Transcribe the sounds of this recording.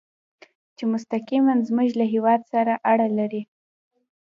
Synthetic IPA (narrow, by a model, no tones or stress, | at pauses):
t͡ʃemʊst̪aqimanzmuʒlaɦewɑd̪saɾaʔaɽalaɾi